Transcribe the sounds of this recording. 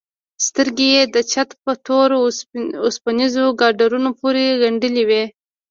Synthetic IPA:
st̪əɾɡejed̪ət͡ʃat̪pət̪oɾʊspanizoɡɑɖaɾunopoɾeɣaɳɖəliwe

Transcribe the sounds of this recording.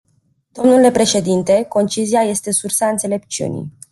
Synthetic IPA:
d̪̥o̞mnule̞pɾe̞ʃe̞d̪int̪e̞ko̞nt͡ʃiziaje̞st̪e̞sursaɨnt̪se̞le̞p̚t͡ʃiṵnḭj

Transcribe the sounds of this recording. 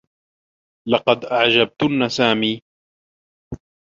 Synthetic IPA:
lɑqɑd̪ʔaʕd͡ʒab̚t̪ʊnːasaːmiː

